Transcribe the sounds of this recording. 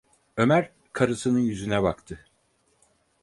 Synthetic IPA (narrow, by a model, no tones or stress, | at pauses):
ø̞mæɾ | kʰaɾɯsɯnɯnjyzynɛbakt̪ʰɯ